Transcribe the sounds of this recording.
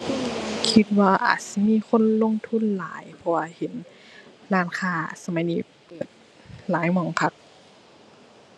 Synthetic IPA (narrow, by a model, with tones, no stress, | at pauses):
kʰi˧˥t̪̚waː˧˩ʔa̰ː˨˩t̪̚si˧˦miː˧˥˨kʰo˧˥˨nlo˧˥˨ŋt̪ʰu˧˥˨nla̰ː˨˦jpʰɔ˧waː˧he˨˦n | ɾaː˧˥˨nkʰaː˧˩sa˧ma˨˦jniː˧˩pɤː˨˩t̪̚ | laː˨˦jmɔː˨˩˦ŋpʰa˧˥k̚